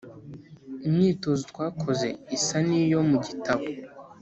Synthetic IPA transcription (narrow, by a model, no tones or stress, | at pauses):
imɲiːto̞zotwaːkʰo̞ze̞isanijo̞muɟitaβo